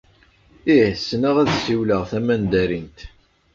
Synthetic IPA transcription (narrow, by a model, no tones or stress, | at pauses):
isːnəʁæðsiwləʁθæmænd̪æɾint̪